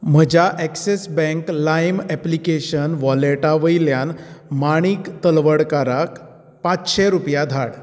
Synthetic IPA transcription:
m̤əd͡ʑaʔɛksesbɛ̃ŋklajmɛplikeɕənʋɔleʈaʋəjljanmaɽ̃iːkt̪əlʋəɽkaɾak | pãt͡sɕeɾupjad̪ʱaɽ

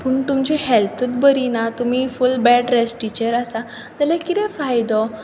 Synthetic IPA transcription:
pəːɳt̪umt͡ɕehɛlt̪ʰət̪̚bəɾinat̪umifulbɛɖɾesʈit͡ɕəɾasa | d͡z̪alɛkit̪ɛ̃fajd̪ɔ

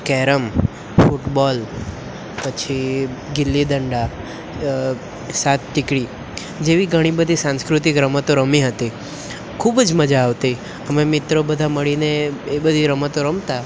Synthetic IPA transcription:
kɛɾəm | fuʈbɔl | pət͡ʃʰiɡɪlːid̪əɳɖa | sat̪̚ʈɪkɽi | d͡ʒeʋiɡʱəɽ̃ibəd̪ʱisãnskɾʊt̪ikɾəmət̪oɾəmiɦət̪i | kʰubd͡ʒməd͡ʒaːʋt̪i | əmemɪt̪ɾobəd̪ʱaməɭineːbəd̪ʱiɾəmət̪oɾəmt̪a

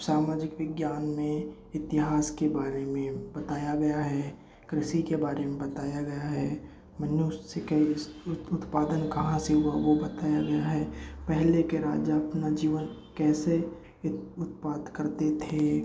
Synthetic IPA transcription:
saːmaːd͡ʒɪkʋɪɡjaːnmẽ | ɪt̪ɪɦaːskebaːɾemẽbɐt̪aːjaɡɐjaɦɛ | kɾɪʃikebaːɾemẽbɐt̪aːjaɡɐjaɦɛ | mənjussekɐiʊt̪paːd̪ənkɐɦãseɦʊaʋobɐt̪aːjaɡɐjaɦɛpɛɦlekeɾaːd͡ʒaɐpnad͡ʒiːʋənkɛːse | ʊt̪paːd̪kɐɾt̪et̪ʰe

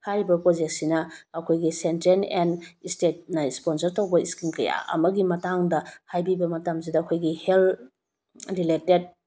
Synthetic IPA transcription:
haɾibɐpɾod͡ʒek̚t̚sinɐːkʰojɡisentɾenenistet̚nɐisponsɐɾtɐwbɐiskiŋkɐ̰ja̰ɐ̰mɐɡimɐtaŋdɐhajbibɐmɐtɐms̬idɐːkʰojɡihel | ɾileted̚

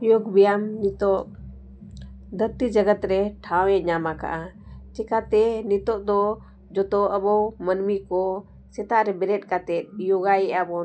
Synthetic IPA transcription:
joɡbijamnit̪ɔʔ | d̪ət̪id͡ʒəɡət̪ɾɛʈʰawɛ̃ɲamaka̰ʔat͡ʃɛkat̪ɛnit̪ɔʔd̪ɔ | d͡ʒɔt̪ɔʔəbɔmənmikɔ | sɛt̪aʔɾɛbɛɾɛt̪̚ˀkat̪ɛt̪̚joɡajɛʔabɔ

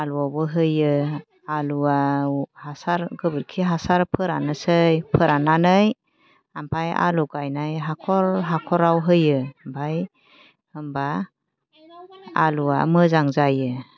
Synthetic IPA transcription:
aluabɯɦɯjɯ | aluahasaɾɡɯbɯɾkʰiɦasaɾpʰɯɾanɯsɯjpʰɯɾananɯj | ampʰaja̰luɡajnajɦakʰɔɾɦakʰɔɾawɦɯjɯmbʰaj | hɯmba | alua̰mɯzaŋzajɯ

